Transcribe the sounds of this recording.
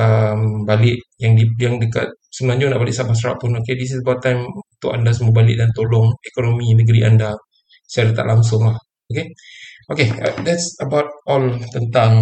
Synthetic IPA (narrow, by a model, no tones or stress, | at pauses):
əmbalɪʔjaŋdijaŋdəka̰t̪̚səmənaɲd͡ʒʊnaʔbalɪʔsabas̬ɾa̰ʔpʊnokedis̬isbat̪ajmut̪ʊʔandasəmuabalɪ̰ʔdant̪olɔŋɛkonomĩnəɡəɾiʔanda | saɾat̪a̰ʔlaŋs̬ʊŋlah | okeʔokeə̰dɛtsəbawt̚ɔlt̪ənt̪aŋ